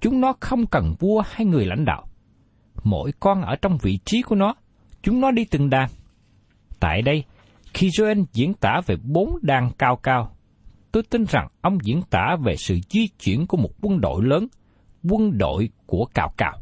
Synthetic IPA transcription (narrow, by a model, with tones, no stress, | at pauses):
t͡ɕʊ˨˦ŋ͡mnɔ˨˦xə˧wŋ͡mkə˨˩nvu˧əhaː˧jŋɨ˨˩əjla̰˧˥jŋ̟ɗa̰ː˧˨w | mo̰˧˥˨jkɔ˧nʔəː˧˩t͡ɕɔ˧wŋ͡mvḭ˧˨t͡ɕi˨˦ku˧˩ənɔ˨˦ | t͡ɕʊ˨˦ŋ͡mnɔ˨˦ɗi˧t̪ɨ˨˩ŋɗaː˨˩ŋ | t̪a̰ː˧˨jɗə˧j | xi˧zo˧ʔe˧nzḭ˧˥ənt̪aː˧˩ve˨˩ɓo˨˦nɗaː˨˩ŋkaː˧wkaː˧w | t̪o˧jt̪i˧nza̰˨˩ŋʔə˧wŋ͡mzḭ˧˥ənt̪aː˧˩ve˨˩sɨ̰˧˨zwi˧t͡ɕwḭ˧˩˨ənku˧˩əmo˨˩t̚kwə˧nɗo̰˧˨jləː˨˦n | kwə˧nɗo̰˧˨jku˧˩əkaː˧˩wka̰ː˧˩w